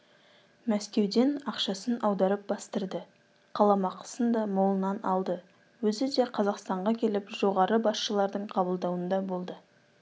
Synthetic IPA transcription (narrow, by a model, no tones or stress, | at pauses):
mæskʲe̞wd̪e̞nɑqʃɑsənʔɑwd̪ɑɾəp̚bɑst̪əɾd̪ə | qʰɑlˠɑmɑqə̥sənd̪ɑmolˠənɑnɑlˠd̪ə | wɵzɪd̪e̞qʰɑzɑqst̪ɑɴʁɑkʲʰe̞lɪpʒ̥o̞ʁɑɾəbɑsʃəlˠɑɾd̪əɴqʰɑbəlˠd̪ɑwənd̪ɑbo̞lˠd̪ə